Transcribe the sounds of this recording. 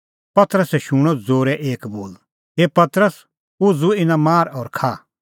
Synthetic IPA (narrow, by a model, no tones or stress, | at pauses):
pɐt̪ɾəsɛʃʊɽ̃ɔd͡zoːɾɛʔeːkboːl | ɦeːpɐt̪ɾəs | ʊd͡zuɪnãmaːɾɔːɾkʰaː